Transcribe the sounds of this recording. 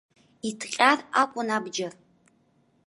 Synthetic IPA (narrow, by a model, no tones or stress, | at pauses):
itʰqʲʼarakʷʼʊnabd͡ʒɐr